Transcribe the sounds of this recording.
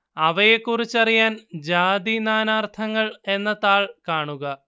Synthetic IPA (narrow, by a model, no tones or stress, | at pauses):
ɐʋɐjekːurit͡ɕːɐrijaːnd͡ʑaːd̪inaːnaːrt̪ʰɐŋːɐɭe̞nːɐt̪aːɭkaːɳuɣɐ